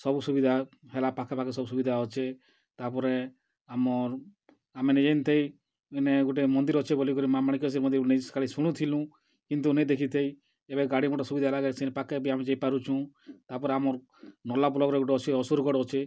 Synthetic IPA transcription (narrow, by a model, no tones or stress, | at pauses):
sɔbusubid̪ʱa | ɦelapakʰapakesɔbusubid̪ʱaɔt͡ʃʰe | t̪apɔɾe | amɔɾ | amened͡ʒant̪ʰej | ineɡuʈ̬emɔnd̪iɾɔt͡ʃʰebolikɔɾimamaɽikiɔs̬iɾmɔnd̪iɾnesɔ̥kaɭisuɽ̃ũt̪ʰilũ | kint̪̬unejd̪ekʰit̪ʰej | ebeɡaɽimɔʈɔsubid̪alaɡesenepakebiamed͡ʒajpaɾut͡ʃʰũ | t̪apɔɾeamɔɾ | nɔlaplɔɡɾeɡuʈɔɔt͡ʃʰiɔsuɾɡɔɽɔt͡ʃʰe